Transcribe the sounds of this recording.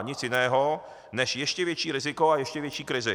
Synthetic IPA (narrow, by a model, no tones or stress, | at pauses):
ɲɪt͡sjɪnɛːɦo | nɛʃjɛʃcɛvjɛt͡ʃiːɾɪzɪkoajɛʃcɛvjɛt͡ʃiːkɾɪzɪ